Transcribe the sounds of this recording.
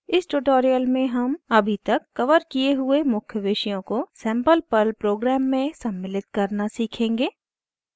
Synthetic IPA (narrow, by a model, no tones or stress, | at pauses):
ɪsʈuːʈoːɾijəlmẽɦɐmɐbʱit̪ɐkːɐʋəɾkijeɦʊemʊkʰjəʋɪːʃijõkosɛ̃ːmpəlpɐlpɾoːɡɾɛːmːẽsɐmːɪlɪt̪kɐɾnasiːkʰẽːŋɡeː